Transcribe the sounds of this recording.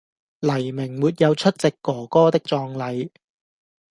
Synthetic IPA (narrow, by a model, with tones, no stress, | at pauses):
lɐ˨˩jmɪ˨˩ŋmuː˨˧t̚jɐ˨˧wt͡ʃʰɵ˥t̚t͡sɪ˨kːɔː˨˩kɔː˥t̪ɪ˥k̚t͡sɔː˧ŋlɐ˨˧j